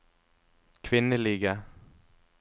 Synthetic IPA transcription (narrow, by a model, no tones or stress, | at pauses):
kʰvɪnːəɭɪɡa